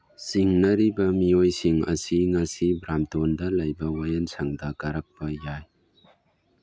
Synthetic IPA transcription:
siŋnɐɾibɐmiojsiŋɐ̰siŋasibɾamtɔndɐlɐjbɐwajansaŋdɐkaɾak̚pɐjaj

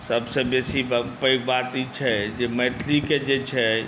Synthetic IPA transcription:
səbsə̃besipəjkbat̪it͡ʃʰɛd͡ʒemɛt̪ʰliked͡ʒet͡ʃʰɛ

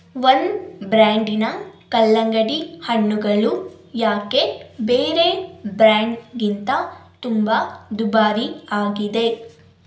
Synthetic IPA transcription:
ʋɐnd̪bɾaːɳɖinɐkɐlːɐŋɡɐɽihɐɳːuɡɐlujaːke̞beːɾe̞bɾaːɳɖɡint̪ɐt̪umbɐd̪ubaːɾiaːɡid̪e̞

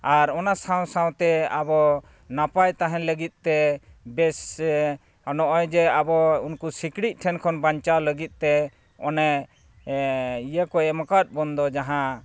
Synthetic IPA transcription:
aɾɔnasaw̃sãw̃t̪ɛabɔ | napajt̪aɦɛ̃ləɡit̪̚t̪ɛbɛs | ɔnɔʔɔjd͡ʒɛabɔunkusikɽit̪̚ˀʈʰɛnkʰɔnbaɲt͡ʃawləɡit̪̚ˀt̪ɛ | ɔnɛ | ijəkɔɛmakat̪̚ˀbɔnd̪ɔd͡ʒaɦã

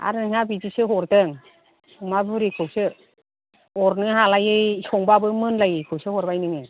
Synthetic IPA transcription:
a̰ɾnɯŋabid͡ʒisɯɦɔɾdɯŋ | umabɯɾikʰɯwsɯ | ɔɾnɯɦalajɯjsɔŋbabɯmɯnlajɯkʰɯwsɯhɔɾbajnɯŋɯ

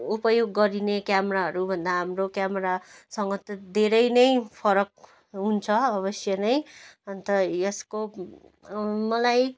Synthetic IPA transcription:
upʌjoɡːʌɾinekjamʌɾaɦʌɾubʱʌnd̪aɦamrokjamʌɾasʌŋɡʌt̪ʌd̪ʱeɾʌjnʌjpʰʌɾʌk̚ | ɦunt͡sʰʌʌβʌsjʌnʌjʌnt̪ʌjʌsko | mʌlaj

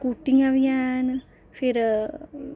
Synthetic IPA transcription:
kuʈːiŋaʋijaːnɨ | fʰiɾ

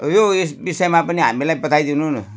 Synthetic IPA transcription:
joisbisemaapənia̰milapət̪ajd̪inunu

